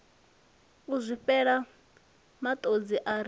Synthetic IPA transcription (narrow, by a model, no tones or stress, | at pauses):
uzʷiɸɛɺa | mat̪ʼod͡ziʔaɾ